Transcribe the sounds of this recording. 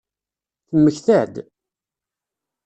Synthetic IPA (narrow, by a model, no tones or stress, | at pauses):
θəmːəçθæd̪